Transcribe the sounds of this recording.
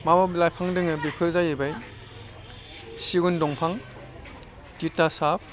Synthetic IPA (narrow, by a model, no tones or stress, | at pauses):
mamablajpʰaŋdɯŋɯbipʰɯɾzajɯbaj | siɡundɔŋpʰaŋ | titːasap̚